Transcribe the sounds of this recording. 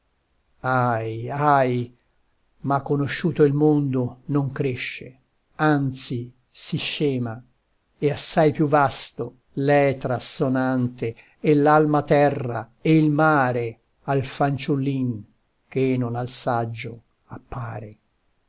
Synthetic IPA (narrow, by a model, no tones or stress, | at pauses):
ajaj | makːonoʃːuːt̪oilmond̪onoŋkɾeʃːe | ant̪si | siʃɛːma | easːajpjuvast̪o | lɛt̪ɾasːonant̪eː | lalmat̪ɛrːa | eilmaːɾe | alfant͡ʃulːin | k̟enonalsad͡ʒːo | apːaːɾe